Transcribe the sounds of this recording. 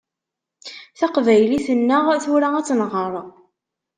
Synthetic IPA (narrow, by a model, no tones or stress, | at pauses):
θaqvæjliθənːəʁθʊɾaæt͡sːnʁəɾˤ